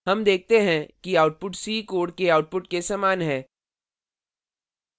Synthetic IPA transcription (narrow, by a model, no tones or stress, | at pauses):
ɦɐmd̪eːk̚ʰt̪eɦɛ̃kiaːʊʈ̚pʊʈsiːkoːɽkeaːʊʈ̚pʊʈkesaːmaːnɦɛ̃ː